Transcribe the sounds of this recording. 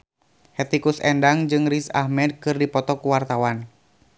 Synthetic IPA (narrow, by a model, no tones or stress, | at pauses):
hɛt̪ikusɛndaŋd͡ʒɨŋrisa̰hmɛd̚kɨrdipɔt̪ɔkuwart̪awan